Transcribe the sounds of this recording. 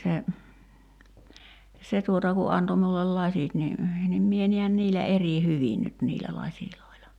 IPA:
se se tuotɑ ku ɑnto miulːel lɑsʲit ni nim mie niæn niːlːæ eri hyʋin nyt niːlæ lɑsʲiloilɑ

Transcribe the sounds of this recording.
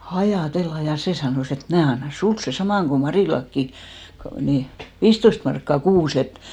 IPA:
h̆ɑjɑˑtelːɑ jɑ seˑ sɑnoˑs et et mnæː ɑnːɑ suls seˑ sɑmɑˑŋ ko mɑriˑlɑkːi ko ni ʋiːstːoist mɑrkːɑ kuːs et

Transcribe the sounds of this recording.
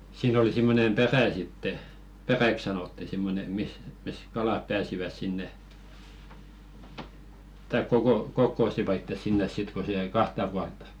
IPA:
siːn oli simːonem peræˑ sitːe peræk sɑnotːi simːone mis mis kɑlɑˑp pæːsiʋæs sinːe tɑik kokokokːoˑsiʋɑ itːes sinːes sit ko se jæi kɑhtɑ puɑltˑɑ

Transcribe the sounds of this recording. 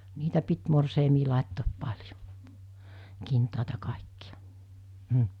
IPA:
niːtæ pit morseimiː lɑˑetːoːp pɑlʲjo kintɑˑetɑ kɑˑekːiɑ̥ m̩

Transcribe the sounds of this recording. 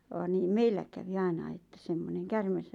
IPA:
ʋɑːn niːm meilːæ kæʋi ɑinɑi etːæ semːoneŋ kærmes

